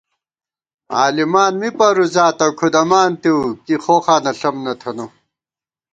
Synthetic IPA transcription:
a̰ːlimaːnmipɐɾuzaːt̪ɐkʰud̪ɐmaːnt̪iwkixoːxaːnɐɬɐmnɐt̪ʰɐno

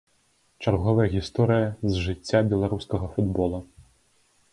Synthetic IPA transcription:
t͡ʂarɣɔvɐjɐɣʲist̪ɔɾɨjɐzʐɨt͡sʲːabʲɛlˠaɾuskɐɣɐfud̪bɔlˠu

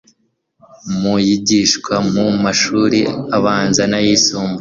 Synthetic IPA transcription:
mujiɟiʃkwamumaʃuːɾiaβaːnzanajisuːmbu

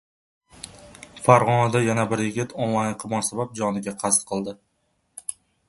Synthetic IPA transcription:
faɾʁɒnad̪ajanabɪɾjɪɡʲɪt̪ʰonlˠajnqʰɨmɒnsabap̚d͡ʒɒnɪɡʲaqʰɑst̪̚qʰɨlˠd̪ɪ

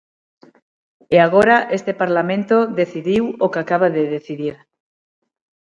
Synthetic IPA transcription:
eaɣ̞oɾaʔest̪epaɾlamẽnt̪oðeθiðiwokakaβaðeðeθiðiɾ

